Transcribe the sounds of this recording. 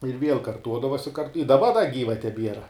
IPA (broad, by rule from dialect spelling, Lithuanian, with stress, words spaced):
ɪr ʋʲiɛlˠ kɐrˈtuɔdɐʋoːsʲ ɪ kɐrt ɪ dɐˈbɐ dɐ ˈɡʲiːʋɐ tʲɛˈbʲiɛrɐ